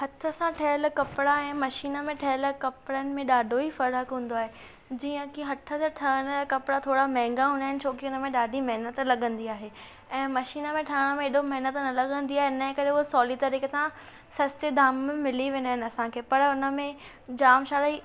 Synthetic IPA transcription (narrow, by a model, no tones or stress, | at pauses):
hɐt̪ʰəsãʈʰɐɦlkɐpɪɽaɛ̃ːmɐʃiːnəmẽʈʰɐɦəlkɐpɪɽənɪ̆mẽɗaːɖʱoɦifɐɾəkɦũːn̆d̪oaːɦe | d͡ʑiːə̃kiɦɐt̪ʰət̪eʈʰɐəɽ̃əkɐpɽat̪ʰoːɽamɛ̃ːŋɡaɦũːnd̪aːɦɪnɪ̆t͡ɕʰoːkiʊnə̆mẽɗaːɖʱimɐɦɪnət̪lɐɠə̃nd̪iaːɦe | ɛ̃ːmɐʃiːnəmẽʈʰɐəɽ̃əmẽɪɗomɐɦnət̪nɐlɐɠə̃nd̪iaːɦeɪnə̃kɐɾeʊɦosɔːlit̪ɐɾiːkesã | sɐst̪ed̪aːmmɪliʋẽːnaːɦɪn̆ɐsãkʰeːpɐɾʊnə̆mẽ | d͡ʑaːmʃaːɾi